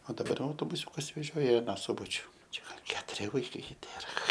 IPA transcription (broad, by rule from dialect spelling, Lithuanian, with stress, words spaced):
oː dɐˈbɐr jɛʊ ɐʊtoːbʊˈsʲuːkɐs ʋʲɛˈʒʲoːjɛ ɪ ɐˈnɑː ˈsʊbɐt͡ʃʲʊ ˈt͡ʃʲɛ ɡɐlˠ ˈkʲæːtʊrʲɪ ʋɐɪˈkɐɪ ˈtʲeːrɐ